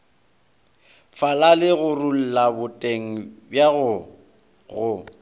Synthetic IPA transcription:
falalɪɣʊrul̩labʊtʼeŋ̩bjaɣʊ | ɣʊ

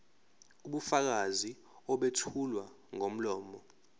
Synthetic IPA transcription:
uɓufak̬azi | ɔɓetʰulwa | ŋom̩lɔːmɔ

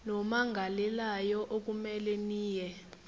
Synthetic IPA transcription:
nɔmaŋɡʱalɛlajɔʔok̬ʼumɛlɛniːjɛ

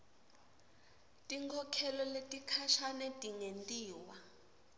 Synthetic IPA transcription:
tʼiŋkʰɔkʰɛlɔletʼikʰaʃanɛtʼiŋentʼiːwa

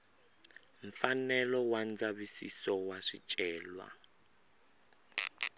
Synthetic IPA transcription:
ɱ̩fanɛlɔwand͡zaβisḭsɔwaʂit͡ʃʼɛːlwa̰

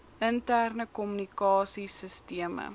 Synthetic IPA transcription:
əntærnəkɔmynikɑːsisəstiəmə̰

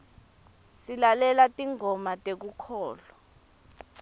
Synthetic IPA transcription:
silalɛlatʼiŋɔmatʼek̬ukʰɔːlɔ

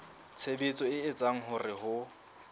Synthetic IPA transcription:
t͡sʰebet͡sʼɔɪːt͡sʼaŋ̩ɦʊrɪhʊ

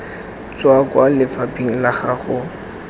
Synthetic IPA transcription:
t͡swakwalɪfapiŋ̩laχaχʊ

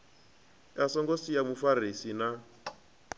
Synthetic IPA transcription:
jasɔŋɡosijamufarisina

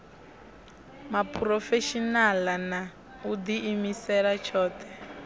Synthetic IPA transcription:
mapʰuɾɔfeʃinalana | ud̪iːmisɛɺat͡ʃʰɔːt̪ʰɛ

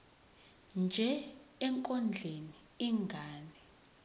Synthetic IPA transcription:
nd͡ʒʱɛɛŋkʼɔnd͡ɮʱeni | iŋɡʱaːnɛ

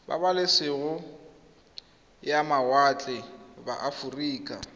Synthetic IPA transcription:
ba̰balɪsɪɣʊ | jamawat͡ɬʼɪba̰ʔafuriːkʼa̰

